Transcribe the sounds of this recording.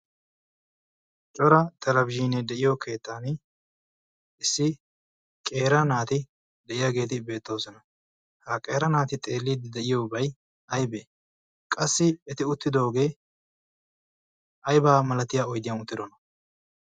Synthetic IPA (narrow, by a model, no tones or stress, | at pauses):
t͡ʃʼɔɾɐt̪ɐɾɐbʒiːnɛd̪ɛʔɪjokʰe̞ːt̪ːaːn | ɪsːɪ | kʼe̞ːɾɐnaːt̪ɪ | d̪ɛʔɪjaɡe̞ːt̪ɪbe̞ːt̪ːo̞ːsɔnɐ | hakʼe̞ːɾɐnaːt̪ɪt̪ʼe̞ːlːiːd̪ɪd̪ɛʔɪjoːbɐj | ɐjbe | kʼɐsːɪɛt̪ɪʊt̪ːɪd̪oːɡe̞ː | ɐjbaːmɐlɐt̪ɪjaɔjd̪ɪjɐnʊt̪ːɪd̪ɔnɐ